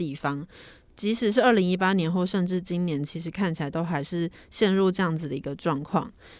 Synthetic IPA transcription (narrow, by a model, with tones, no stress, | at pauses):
i˥˩fɑ˥ŋ | t͡ɕi˧˥ʂɻ̩˧˦ʂɻ̩˥˩ə˥˩li˧˥ŋi˥pa˥njɛ˨˧˥nxo˥˧ʊʂə˥˧nʈ͡ʂɻ̩˥˩t͡ɕi˦nnjɛ˧˥nt͡ɕʰi˧˥ʂ̬ɻ̩˧˥kʰa˥˩nt͡ɕʰi˨˩la˧˥ɪt̪o˥ʊxa˧˥ɪʂɻ̩˥˧ɕjɛ˥˧nɻu˥˧ʈ͡ʂɤ˥˧jɑ˥˩ŋd͡z̩˩d̪ə˩i˧˥ɡə˧ʈ͡ʂwɑ˥˧ŋkʰwɑ̰˥˩ŋ